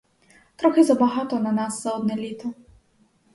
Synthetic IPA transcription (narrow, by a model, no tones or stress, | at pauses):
t̪ɾɔxɪzɐbɐɦɑt̪ɔnɐnasːɐɔd̪nɛlʲit̪ɐ